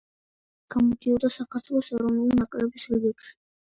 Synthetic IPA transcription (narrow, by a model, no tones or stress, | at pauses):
ɡ̥amɔd̪iɔd̪asakʰaɾt̪ʰwɛlˠɔsɛɾɔvnulinakʼɾɛbisɾiɡɛpʃi̥